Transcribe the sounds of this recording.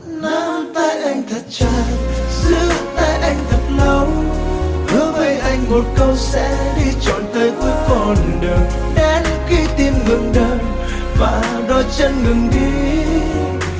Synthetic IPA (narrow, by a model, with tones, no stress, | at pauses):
na˧˦mt̪aː˧jʔa˧jŋ̟t̪ʰə˨˩t̚t͡ɕaː˧˩jzɨ̰˧˥t̪aː˧jʔa˧jŋ̟t̪ʰə˨˩t̚lə˨˦w | hə˧˦və˧jʔa˧jŋ̟mo˨˩t̚kə˧wsɛ̰˧˥ɗi˧t͡ɕɔ̰˧˨nt̪əː˨˦jt̪o˧jkɔ˨˩nɗɨ˨˩ək̚ | ɗɛ˨˦nxi˧˦t̪i˧mŋɨ̰˨˧˨əŋɗə˧˩n | vaː˨˩ | ɗɔ˨˧t͡ɕə˧nŋɨ˨˩ŋɗi˧˦